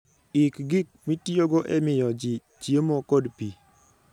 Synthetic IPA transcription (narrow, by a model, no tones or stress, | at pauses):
ɪkɡɪk̚mitijoɡoʔɛmɪjɔd͡ʒit͡ʃiemokɔdpi